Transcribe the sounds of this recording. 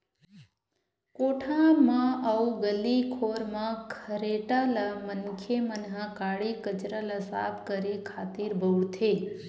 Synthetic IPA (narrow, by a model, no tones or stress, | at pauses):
koʈʰãɾmãʔauɡəlːikʰoɾmãkʰəɾeʈalamənkʰemənɦãkaɭikət͡ʃɾalasa̰pkəɾikʰat̪iɾbʱəʋɽt̪ʰe